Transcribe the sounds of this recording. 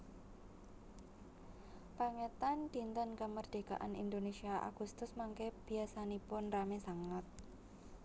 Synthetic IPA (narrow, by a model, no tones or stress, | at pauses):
paŋet̪and̪̥int̪ənkəmərd̪̥e̤ɡa̰ʔa̰nḭnd̪onesiaʔa̰ɡ̥ust̪ʊsmaŋkeb̥i̤asanipʊnramesaŋət̪̚